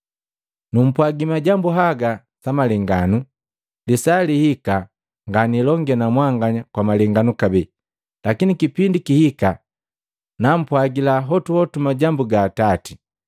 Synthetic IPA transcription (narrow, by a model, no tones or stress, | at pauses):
num̩pwaɡimaɟambuɦaɡa | samalɛŋɡanu | lisalihika | ŋɡanilɔŋɡɛnamwaŋɡaɲakwamalɛŋɡanukabɛ | lakinikipindikihika | nam̩pwaɡilaɦɔtuhɔtumaɟambuɡaːtati̥